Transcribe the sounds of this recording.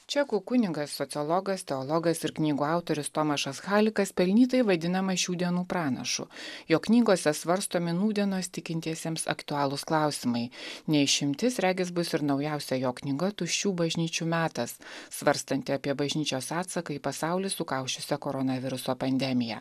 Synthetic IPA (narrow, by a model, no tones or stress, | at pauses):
t͡ʃʲɛkukʊnʲɪɡɐsːɔt̪sʲɪɔlˠɔɡɐst̪ʲɛɔlˠɔɡɐsɪɾknʲiːɡuːɑˑʊt̪oɾʲɪst̪oːmɐʃɐsxɑːlʲɪkɐspʲɛlʲnʲiːt̪ɐɪʋɐd̪ʲɪnɐmɐʃʲuːd̪ʲiɛnuːpɾɑːnɐ̰ʃʊ̰joːknʲiːɡoːsʲɛsʋɐɾst̪oːmʲɪnuːd̪ʲɛnoːst̪ʲɪkʲɪnʲt̪ʲiɛsʲeɛmsɐ̰kt̪ʊɑːlˠʊsklˠɑˑʊsʲɪmɐɪnʲɛɪʃʲɪmʲt̪ʲɪsɾʲæːɡʲɪs̬bʊsɪɾnɒʊjɛʊsʲɛjoːknʲɪɡɐt̪ʊʃʲuːbɐʒʲnʲiːt͡ʃʲuːmʲæːt̪ɐsːʋɐɾst̪ɐnʲt̪ʲɪɐpʲiɛbɐʒʲnʲiːt͡ʃʲoːsɑːt̪sɐkɐipɐsɑˑʊlʲɪsʊkɑˑʊʃʲt͡ʃʲʊsʲɛkoːɾɔnɐʋʲɪɾʊsoːpɐnʲd̪ʲɛmʲɪjɛ̰